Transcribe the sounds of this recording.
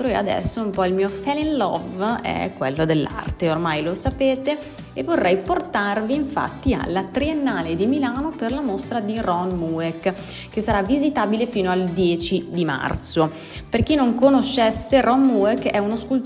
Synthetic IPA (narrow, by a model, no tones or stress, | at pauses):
t̪ɾoea̰d̪ɛ̰sːoumpɔilmiːofɛlinlɔ̰vɛ̰kːwḛlːod̪elːa̰rt̪eormajlosapeːt̪eː | vːorːɛjport̪arviːɱfa̰t̪ːia̰lːat̪ɾienːaːled̪imilaːnoperlamost̪ɾad̪irɔnmuek | kːesːaɾavizit̪aːbilefiːnoald̪jɛːt͡ʃid̪ima̰rt̪so | perk̟inːoŋkonoʃːɛsːeɾʔɔnːuekːɛunoskult̪